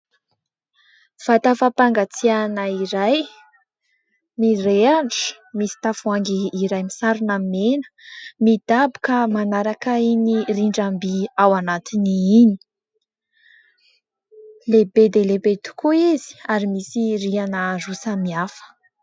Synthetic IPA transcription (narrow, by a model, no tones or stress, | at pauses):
v̥at̪afapaŋɡat͡sianəiɾaj | mireaɳʈ͡ʂə̥ | misi̥t̪afuaŋɡiːɾajmisaɾinamenə̥mid̪abu̥kamanaɾakainiriɳɖ͡ʐambiawanat̪iniini̥ | lebed̪elebet̪u̥kuizi̥aɾimisirianərusamiafə̥